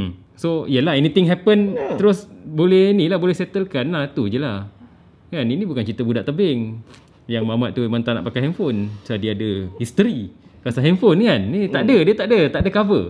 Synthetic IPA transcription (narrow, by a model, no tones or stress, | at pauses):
m | soijəlaɦɛnit̪ɪŋɦɛpənt̪əɾʊsbolɛhnilahbolɛhsɛt̪əlkanlat̪ud͡ʒəlah | kaninibukant͡ʃit̪əbudaʔt̪əbɛŋ | jaŋmamat̪t̪ːumant̪ana̰ʔpakajɦɛnfonsəadiadəhist̪əɾikasaɦɛnfonkannit̪aʔdədiət̪aʔdət̪aʔdəkavə̰